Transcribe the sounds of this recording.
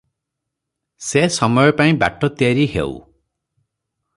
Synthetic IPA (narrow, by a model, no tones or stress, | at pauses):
sesɔmɔjɔpaĩba̰ʈɔt̪iaɾiɦḛw̰